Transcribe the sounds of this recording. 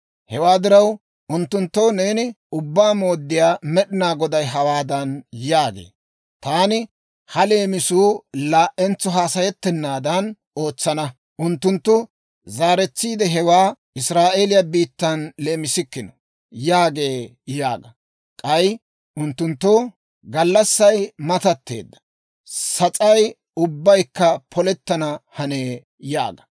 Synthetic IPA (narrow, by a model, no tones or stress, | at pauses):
hɛwaːd̪ɪɾɐw | ʔʊnt̪ːʊnt̪ːowne̞ːnɪ | ʊbːaːmo̞ːd̪ːɪjaːmɛɗɪnaːɡɔd̪ɐjɦɐwaːd̪ɐnjaːɡḛː | t̪aːnɪ | hɐle̞ːmɪsuːlaːʔɛnt͡sːɔɦaːsɐjɛt̪ːɛnːaːd̪ɐn | o̞ːt͡sːɐnɐ | ʔʊnt̪ːʊnt̪ːʊ | zaːɾɛt͡sːiːd̪ɛɦɛwaːʔɪsɾaːʔeːlɪjɐbiːt̪ːɐnle̞ːmɪsɪkːɪnɔ | jaːɡe̞ː | ja̰ːɡɐ | kʼɐj | ʔʊnt̪ːʊnt̪ːo | ɡɐlːɐsːɐjmɐt̪ɐt̪ːe̞̰ːd̪ːɐ̥ | sɐt͡sʼɐj | ʊbːɐjkːɐpʰɔlɛt̪ːɐnɐhɐneː | ja̰ːɡɐ